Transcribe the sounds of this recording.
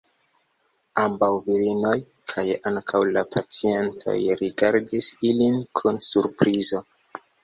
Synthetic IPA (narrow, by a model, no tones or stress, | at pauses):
ambawviɾino̞j | kʰajaŋkʰawlapʰat͡sie̞ntʰo̞̰jɾiɡaɾdisilinkʰunsuɾpɾizo̞